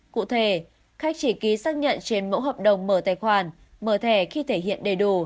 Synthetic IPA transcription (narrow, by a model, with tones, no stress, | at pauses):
kṵ˧˨t̪ʰe˧˩ | xa˦˥k̟̚t͡ɕi˧˩ki˨˦saː˦˥k̚ɲə̰˧˨nt͡ɕe˧nmo̰˧˥ɦəː˨˩p̚ɗə˨˩wŋ͡mməː˧˩t̪aː˧˩jxwaː˨˩n | məː˧˩t̪ʰɛ˧˩xi˧t̪ʰe˧˩hḭ˧˨ənɗə˨˩jɗu˧˩